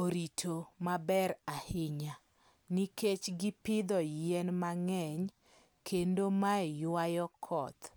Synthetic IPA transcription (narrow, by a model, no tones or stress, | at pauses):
oɾitʰomabɛɾahɪɲa | niket͡ʃɡɪpɪd̪ɔjɛnmaŋɛɲ | kʰendomaɛjwajɔkʰɔt̪